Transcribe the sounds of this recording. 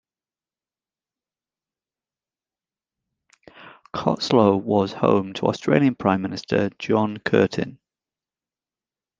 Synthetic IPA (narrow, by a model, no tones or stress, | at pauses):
kʰɒ̰ʔsləʊwɒz̥hə̰̃ʊ̃mtʰə̰stɹ̥eɪliə̃npʰɹ̥ãɪ̃mːɪnɪstʰə̰d͡ʒɒ̃nkʰɜ̰ˑtʰɪ̰̃n